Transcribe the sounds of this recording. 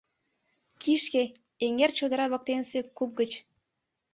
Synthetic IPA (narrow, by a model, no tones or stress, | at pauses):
kiʃke | eŋert͡ɕod̪ə̆ɾɑβə̆k̚t̪ensekup̚ɡət͡ɕ